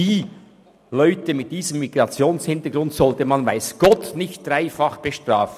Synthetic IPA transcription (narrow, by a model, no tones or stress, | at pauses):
iː | lɔʏtəmɪt̚d̥iːzəmːiɡ̥ɾɑt͡sjoːnshɪntəɡɾʊntsɔltəmɑnvaɪsɡ̥ɔtnɪçtd̥raɪfɑχb̥əʃtʁaːf